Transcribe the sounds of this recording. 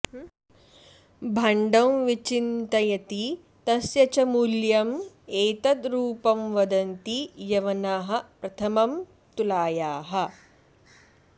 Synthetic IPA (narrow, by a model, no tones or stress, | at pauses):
bʱɐɳɖɐ̃wʋit͡ʃint̪ɐjɐt̪i | t̪ɐsjɐt͡ʃɐmuljɐm | eːt̪ɐt̪ɾuːpɐmʋɐd̪ɐnt̪ijɐʋɐnaːɦɐ̆pɾɐt̪ʰɐmɐm | t̪ulaːjaːɦɐ̆